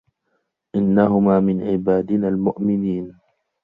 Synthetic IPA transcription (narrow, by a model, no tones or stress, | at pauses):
ʔɪnːaɦʊmaːmɪnʕɪbaːd̪ɪnaːlmʊʔmɪniːn